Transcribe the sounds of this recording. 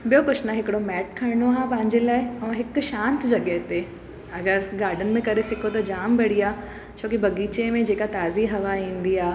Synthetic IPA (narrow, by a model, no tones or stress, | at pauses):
bijokʊʃnaɦɪkɪɽomɛːʈ̚kʰɐɾɪɽ̃oaːpɐ̃ɦɪ̃ɲd͡ʑelaːɪɛ̃ːɦɪkʃãːnt̪d͡ʑɐɠəɦt̪e | ɐɡəɾɡaːɾɖənɪ̆mẽkɐɾesɪkʰot̪ɐd͡ʑaːmbɐɽiaː | t͡ɕʰoːkibɐɡiːt͡ɕemẽd͡ʑeːkat̪aːziɦɐʋaĩːn̆d̪iaː